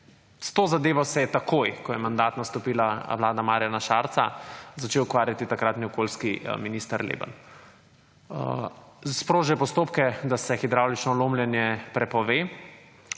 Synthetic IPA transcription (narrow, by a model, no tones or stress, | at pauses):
st̪oːzad̪eːʋɔsɛjɛt̪akʰojkɔjɛmand̪aːt̪nast̪ɔpiːlaʋlaːd̪amaːɾjanaʃaːɾsa̰zat͡ʃeːwːkʋaːɾjat̪it̪akɾaːt̪niɔkoːlskiminist̪aɾlḛba̰n | spɾoːʒɛpɔst̪oːpkɛd̪asɛxid̪ɾawlit͡ʃnɔloːmljɛnjɛpɾɛpɔʋeː